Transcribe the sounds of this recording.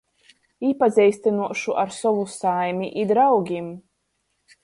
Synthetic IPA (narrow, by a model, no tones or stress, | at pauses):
ipazʲɛjst̪anuɔʃuʔaɾsɔvusajmʲiʔid̪ɾawɡʲim